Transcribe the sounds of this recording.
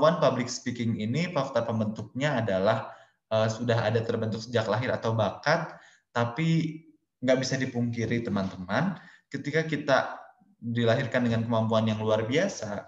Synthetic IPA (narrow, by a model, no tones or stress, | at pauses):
anpablɪkspikɪŋinipaft̪apəmbənt̪ʊk̚ɲaːdalah | əsudaɦadat̪ərbənt̪ʊksəd͡ʒaklaɦɪɾa̰t̪awbakat̪̚ː | api | ŋɡaʔbisadipuŋkiɾit̪əmant̪əmankət̪ikakit̪a | dilaɦirkandəŋankəmampuanjaŋluarbiasa